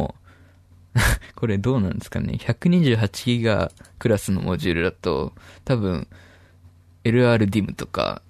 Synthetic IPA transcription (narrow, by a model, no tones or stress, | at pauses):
ko̞ɾe̞d̪o̞ːnãnd̪esɨ̥ka̰ne̞̰çakɯ̟ɲ̟iʑɨːɦat͡ɕi̥ɡʲiɡa̰kɯ̟ɾasɨno̞̰mʔo̞ʑɨːɾɯ̟d̪at̪o̞̰t̪abɯ̟̃ɰ̃ | e̞ɾɯ̟aːɾɯ̟d̪ʲimɯ̟t̪o̞̥ka̰